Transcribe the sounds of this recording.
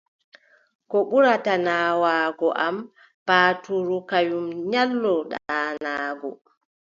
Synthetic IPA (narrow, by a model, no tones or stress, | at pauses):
kɔɓuɾatanaːwaːɡɔʔam | paːtuɾukajumɲalːɔɗanaːɡɔ